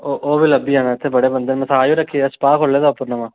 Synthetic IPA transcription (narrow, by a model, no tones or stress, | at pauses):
oʔoːbiːləbiːɦaːnãːɪt̪ʰːeːbəɽeːbənd̪eːnmɛ̃saːjõːɾəkʰːiːspaːkʰolːeːd̪aːʊpːəɾnəmãː